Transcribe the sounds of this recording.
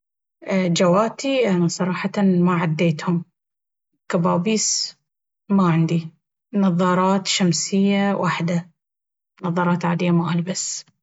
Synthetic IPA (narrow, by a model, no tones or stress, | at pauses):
d͡ʒawaːt̪iansˤɑɾˤɑːħɑt̪maʕad̪ːeːt̪hʊm | kabaːbiːs | maʕɪnd̪i | nɑðˤːɑːɾˤɑːt̪ʃamsɪjːawʔaħd̪a | nɑðˤːɑːɾˤɑːt̪ʕaːd̪ɪjːamaʔalbas